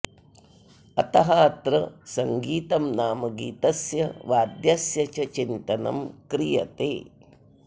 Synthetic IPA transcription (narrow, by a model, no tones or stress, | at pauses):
ɐ̰t̪ɐɦɐːt̪ɾɐsɐŋɡiːt̪ɐmnaːmɐɡiːt̪ɐsjɐʋaːd̪jɐsjɐt͡ʃɐt͡ʃint̪ɐnɐ̰mkɾijɐ̰t̪ḛː